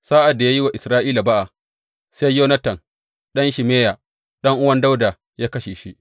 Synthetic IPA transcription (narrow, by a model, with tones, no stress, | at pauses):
saː˦ʔa˨dːa˨jaː˦ji˦wa˨ʔɪ˨sɾaː˦ʔiː˦la˨ba˦ʔa˨ | se˦jjːoː˦nɐ˦tɐ˨n | ɗɐ˦nʃi˨meː˦ja˨ | ɗɐ˦ŋʔʊ˦wɐ˦nda˦wda˨ | jaː˦kɐ˦ʃeː˨ʃi˦ʔ